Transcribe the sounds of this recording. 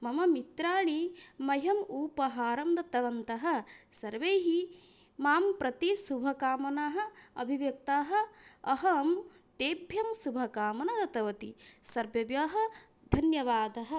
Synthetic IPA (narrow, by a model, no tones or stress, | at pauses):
mɐmɐmit̪ɾaːɭimɐjɐmuːpɐɦaːɾɐmd̪ɐt̪ɐʋɐnt̪ɐɦɐ̆sɐɾʋeːɦi | maːmpɾɐt̪isubʱɐkaːmɐnaːɦɐ̆ɐbʱiʋjɐk̚t̪aːɦɐ̆ɐɦɐm | t̪eːbʱjɐmsubʱɐkaːmɐnɐd̪ɐt̪ɐʋɐt̪isɐɾʋjɐʋjɐːɦɐ̆ | d̪ʱɐnjɐʋaːd̪ɐɦɐ̆